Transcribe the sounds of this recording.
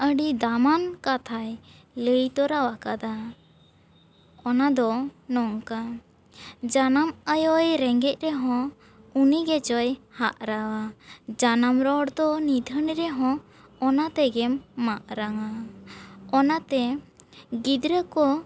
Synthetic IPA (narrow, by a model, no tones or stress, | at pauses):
əɖid̪amankat̪ʰaj | ləjt̪ɔɾawakad̪a | ɔnad̪ɔnɔŋka | d͡ʒanaməjɔjɾɛŋɡɛc̚ˀɾɛɦɔ̃ | uniɡɛt͡ʃɔjhaʔɾawad͡ʒanamɾɔɽd̪ɔnid̪ʱəniɾɛɦɔ̃ː | nat̪ɛɡɛmːaʔɾaŋa | ɔnat̪ɛ | ɡid̪ɾəkɔ